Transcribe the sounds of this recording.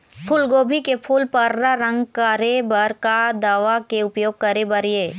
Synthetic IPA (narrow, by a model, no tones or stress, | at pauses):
pʰʊːlɡoːbʱikepʰuːlpɐɾɾaɾə̃ŋɡkəɾebɐɾkad̪aʋakeʊpjoːɡ̚kəɾebəɾijeː